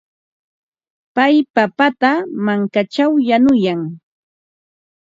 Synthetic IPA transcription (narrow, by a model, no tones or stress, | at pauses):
pajpapat̪amaŋkat͡ʃawjanʊjaŋ